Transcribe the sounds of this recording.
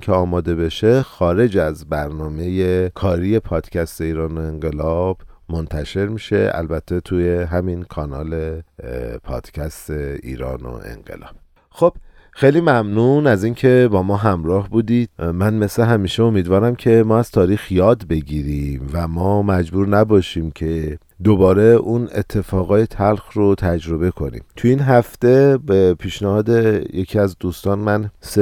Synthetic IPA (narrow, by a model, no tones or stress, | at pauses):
eɒːmɒːd̪e̞be̞ʃe̞xɒːɾe̞d͡ʒæzbæɾnɒːme̞jekʰɒːɾije̞pʰɒːd̪̥cʰæst̪e̞iːɾɒːnoe̞ŋɢe̞lɒːb̥mo̞nt̪ʰæʃe̞ɾmiːʃe̞̰ʔæ̰lbæt̪ʰːe̞t̪ʰuje̞ɦæminkʰɒːnɒ̰ːle | pʰɒ̰ːd̪̥cʰæst̪eḭːɾɒ̰ːno̰ʔḛnɢḛlɒ̰ːb̥ | xo̞b̥ | xejliːmæmnunæziːncʰe̞bɒːmɒːɦæmɾɒːhbuːd̪id̪̚mænme̞sleɦæmiːʃeo̞miːd̪vɒːɾæmcʰe̞mɒːæz̥t̪ʰɒːɾiːxjɒːd̪be̞ɟiːɾiːmvæmɒːmæd͡ʒbuːɾnæbɒːʃiːmcʰe̞ | d̪obɒːɾe̞ʔunḛt̪ʰːe̞fɒːɣɒːjet̪ʰælxɾot̪ʰæd͡ʒɾo̞be̞kʰo̞nḭːmt̪ʰuiːnɦæft̪e̞bepʰiːʃnæhɒːd̪ejecʰiæzd̪uːst̪ɒːnmæns